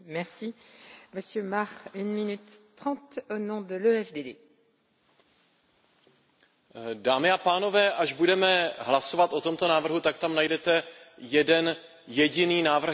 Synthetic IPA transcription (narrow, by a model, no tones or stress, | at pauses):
mɛʁsiməsjømaʁynminyt̪ːχɑ̃t̪onɔ̃d̪əløɛfd̪ed̪e | daːmɪapaːno̞vɛːʔaʒbudɛmɛɦlaso̞vat̪ʔot̪omt̪onaːvr̩ɦut̪ak̚t̪amnajdɛt̪ɛjɛdɛn | jɛɟɪniːnaːvr̩